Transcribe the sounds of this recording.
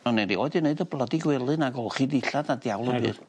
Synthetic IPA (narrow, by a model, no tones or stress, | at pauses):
ɔneɾiɔjdəneɨdəblˠədiɡwɛlˠɨnaɡɔχidiɬadadjawlˠəbɨ̰r